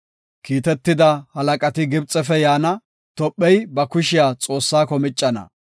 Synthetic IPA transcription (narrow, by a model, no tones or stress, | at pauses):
kiːt̪ɛt̪ːɪd̪ɐhɐlɐkʼɐt̪ɪɡɪbt͡sʼːɛfɛjaːnɐ | t̪ɔpʼːɛjbɐkʊʃɪjaːt͡sʼo̞ːsːaːkɔmɪt͡ʃʼːɐnɐ̰